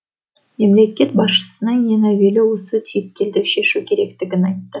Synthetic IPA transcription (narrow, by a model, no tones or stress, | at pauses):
me̞mle̞kʲe̞t̪̚bɑsʃə̥sənəŋjenæwelɪwo̞sət̪ʰijt̚kʲːe̞ld̪ɪkʃe̞ʃukʲʰe̞ɾe̞kt̪ɪɡʲɪnɑjt̪ːə